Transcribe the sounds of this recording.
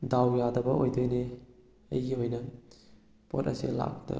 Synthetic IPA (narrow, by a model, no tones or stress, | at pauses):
dawjadɐbɐojdojne | ɐ̰jɡihojnɐ | potɐ̰sila̰k̚idɐ̰